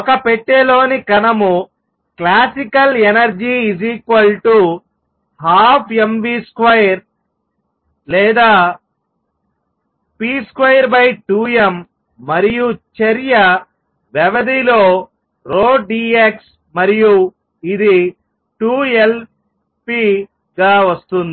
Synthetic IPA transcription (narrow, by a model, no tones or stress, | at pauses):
ɔkɐpɛʈːelo̞ːnikɐnɐmu | klaːsikɐlenɐɾd͡ʒiːziːkʋɐlʈu | haːpʰembiːskʋɐjɐɾ | lɛːd̪aː | piːskʋɐjɐɾbɐjʈuːemː | ɐɾijut͡ʃɐɾijɐ | ʋɛʋɐd̪iloː | ɾoːɖiːeks | mɐɾiju | id̪i | ʈuːel | piː | ɡaːʋɐst̪und̪i